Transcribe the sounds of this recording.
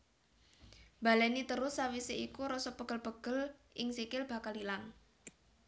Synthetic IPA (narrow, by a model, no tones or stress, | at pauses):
b̥a̤lɛnit̪əɾʊsːawiseikuɾɔsɔbəɡ̥əlb̥əɡ̥əlʔɪŋsikɪlb̥a̤kalilaŋ